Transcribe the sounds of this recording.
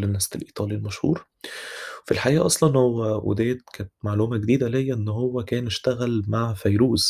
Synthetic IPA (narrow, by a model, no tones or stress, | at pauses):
lenːæslʔiːt̪ˤɑːlilmæʃhṵːɾ | wfilħaʔiːʔɑsˤlɑnhowːæwḛd̪æːd̪̚kæːnet̪maʕluːmæɡed̪iːd̪ælejːæʔenːhowːækæːneʃt̪æɣælmaʕfæjɾuːz